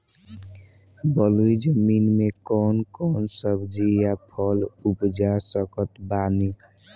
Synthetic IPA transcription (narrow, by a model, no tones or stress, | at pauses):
bəluid͡ʒəminmekɔːnkɔnsəbd͡ʒijapʰɔlupd͡ʒasəkət̪bani